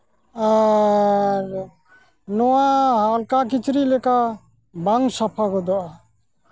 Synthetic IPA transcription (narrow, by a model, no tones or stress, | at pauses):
a | ɾ | nɔwaɦalkakit͡ʃɾilɛka | baŋsapʰaɡɔd̪ɔa